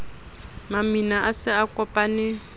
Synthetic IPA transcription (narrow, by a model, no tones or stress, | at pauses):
maminaʔasɪakʼɔpʼanɪ